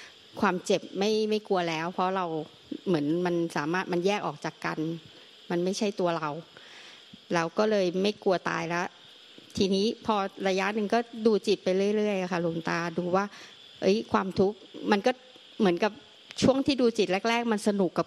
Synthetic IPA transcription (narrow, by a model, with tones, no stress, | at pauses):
kʰwaː˧mt͡ɕe˨˩p̚ma˥˩jma˥˩jku˧ɐlɛː˦˥wpʰɾɔ˦˥ɾa˧w | mɯ˩˦ənma˧nsaː˩˦maː˥˩t̪̚ma˧njɛː˥˩k̚ʔɔː˨˩k̚t͡ɕaː˨˩kːa̰˧n | ma˧nma˥˩jt͡ɕʰa˥˩jt̪u˧ɐɾa˧w | lɛː˦˧˥wkɔː˥˩lɤː˧jma˥˩jku˧ɐt̪a̰ː˧jlɛ˦˥ʔ | t̪ʰiː˧niː˦˥pʰɔː˧ɾa˧ja˦˥ʔnɯ˨˩ŋkɔː˥˩duː˧t͡ɕi˨˩t̪̚pa˧jɾɯ˥˩əjɾɯ˥˩əjʔa˨˩kʰa˥˩lo˧ŋt̪aː˧duː˧waː˥˩ | ʔɤ˦˥jkʰwaː˧mt̪ʰu˦˥k̚ma˧nkɔː˥˩ | mɯ˩˦ənka˨˩p̚ | t͡ɕʰu˥˩əŋt̪ʰiː˥˩duː˧t͡ɕi˨˩t̪̚lɛ˦˥k̚ɾɛː˥˩k̚ma˧nsa˧nu˨˩kːa˨˩p̚